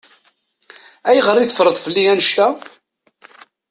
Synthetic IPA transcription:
æjʁəɾˤiθəfɾˤəðˤfəlːiænəʃt̪æ

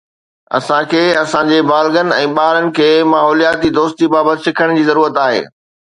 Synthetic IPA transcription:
ɐ̰sãkʰeːɐsãd͡ʑebaːlɡənɪ̆ɛ̃ːɓaːɦɾənɪ̆kʰeːmaːɦɔːlijaːt̪id̪oːst̪ibaːbət̪ɪsɪkʰəɽ̃d͡ʑiːzɐɾuːɾət̪aːɦḛː

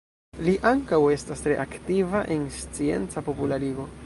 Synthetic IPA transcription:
liʔaŋkawe̞stastɾe̞ʔaktivaʔenst͡sie̞̰nt͡sapo̞pulaɾiɡo̞

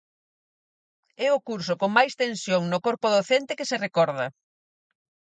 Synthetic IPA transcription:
ɛʊkuɾsokoŋmajst̪ẽnsjoŋnʊkoɾpʊðoθent̪ɪkɪserekɔɾðɐ

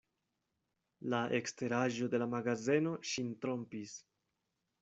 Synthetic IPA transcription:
laʔekste̞ɾaʒo̞de̞lamaɡaze̞no̞ʃintɾo̞mpis

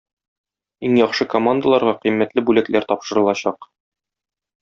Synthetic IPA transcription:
iŋjɒχʃɤkomand̪əlˠɑɾʁɑqĭjmːæt̪lɘbʉlæklæɾt̪ɒpʃɤ̆ɾɤ̆lˠɑɕɑq

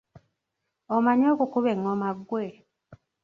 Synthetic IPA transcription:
omaɲokukuβeŋːomaɡːwe

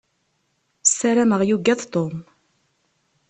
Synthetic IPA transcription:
sːæɾæməʁjuɡːæðt̪ˤom

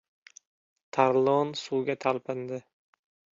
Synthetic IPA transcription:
t̪ʰaɾlˠonsuːɡʲat̪ʰalˠpɪnd̪ɪ

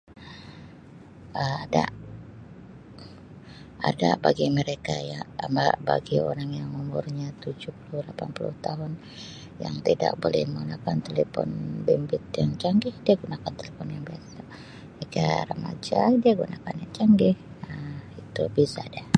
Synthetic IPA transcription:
əmada | adabaɡiməɾekajamaba̰ɡio̰ɾaŋjaŋumʊrɲat̪ud͡ʒuhpulʊhlapanpulʊ̰ht̪aɦʊn | ja̰ŋt̪ida̰k̚bolɛ̰hməŋunakant̪elefɔ̰nbɛmbɪt̪̚jaŋt͡ʃaŋɡɪhdiaɡunakant̪elefɔnjaŋbiasa | eka̰ɾəmad͡ʒadiaɡunakanjaŋt͡ʃaŋɡɪh | əmit̪ubisada

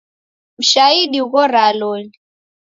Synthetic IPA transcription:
m̩ʃaiɗiuɣɔɾalɔni

